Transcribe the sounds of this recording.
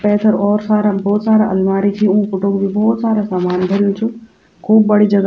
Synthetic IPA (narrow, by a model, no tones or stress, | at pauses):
pɛːt̪ʰəɾɔːɾsaːɾabɔːt̪saːɾaʔɐlmaːɾit͡ʃʰiũːfʊʈoɡbʱibɔːt̪saːɾasaːmaːnbʱoɾijũt͡ʃʰũ | kʰuːb̚bɐɽ̤id͡ʒɐɡ